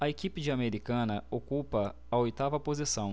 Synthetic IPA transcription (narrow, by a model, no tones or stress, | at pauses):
ɐekipɪd͡ʒɪameɾikɐ̃nɐokupɐː | ojt̪avɐpozisɐ̃w̃